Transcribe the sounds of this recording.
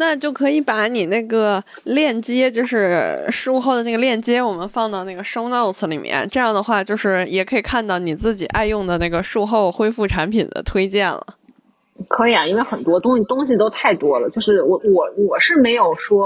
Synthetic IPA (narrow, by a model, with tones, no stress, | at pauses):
na˥˧t͡ɕjo˥˩ʊkʰɤ˧˥i˨˩pa˧˥ni˨˩na˥˩ɡə˩ | ljɛ˥˩nt͡ɕjɛ˥t͡ɕjo˥˧ʊʂɻ̩˥˧ʂu˥˧xo˥˩ʊd̪ə˩na˥˩ɡə˧ljɛ˥˩nt͡ɕjɛ˥wɔ˨˩mə˦nfɑ˥˧ŋt̪ɑ˥˧ʊna˥˩ɡə˩ʂo˥ʊno˥˩ʊt͡sʰɹ̩˧˩lḭ˨˩mjɛ̰˧nʈ͡ʂɤ˥˧jɑ˥˩ŋd̪ə˩xwa˥˧t͡ɕjo˥˧ʊʂɻ̩˥˩jɛ˨˩kʰɤ˧˥i˨˩kʰa˥˧nt̪ɑ˥˩ʊni˨˩t͡sɹ̩˥˩t͡ɕi˨˩ʔa˥˧ɪjʊ˥˩ŋd̪ə˩na˥˩ɡə˩ʂu˥˧xo˥˩ʊxwe˥ɪfu˥˩ʈ͡ʂʰa˧˥npʰḭ˨˩nd̪ə̰˦t̪ʰwe˥ɪt͡ɕjɛ˥˩nlə̰˩ | kʰɤ˧˥i˨˩a˦i˥nwe˥˩ɪxə˨˩nt̪wɔ˥t̪ʊ˥ŋ˧˩t̪ʊ˥ŋɕi˨t̪o˥ʊt̪ʰa˥˩ɪt̪wɔ˥lə̰˨t͡ɕjo˥˧ʊʂɻ̩˥˩wɔ˨˩wɔ˨˩˦wɔ˨˩ʂɻ̩˥˩me˧˥ɪjo˨˩ʊʂwɔ˥